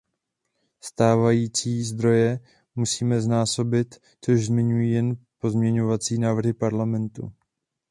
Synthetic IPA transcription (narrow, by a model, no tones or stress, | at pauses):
st̪aːvajiːt͡siːzd̪ɾo̞jɛ | musiːmɛznaːso̞bɪt̪ | t͡so̞ʒzmɪɲujijɛnpo̞zmɲɛɲo̞vat͡siːnaːvr̩ɦɪpaɾlamɛnt̪ṵ